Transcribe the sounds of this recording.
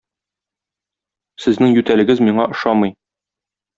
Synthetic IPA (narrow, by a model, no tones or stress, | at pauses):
sɘ̆znɘŋjʉt̪ælɘ̆ɡɘzmiɴɑʔŏʃɑmɤj